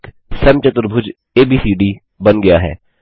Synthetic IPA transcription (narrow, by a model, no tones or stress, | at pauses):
k | sɛmt͡ʃət̪ʊɾbʱʊd͡ʒ | eːbiːsiːɖiː | bɐnɡɐjaːɦɛ̰ː